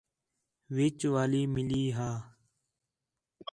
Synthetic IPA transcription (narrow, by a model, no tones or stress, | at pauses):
ʋɪːt͡ʃʋaːliːmɪliːɦaː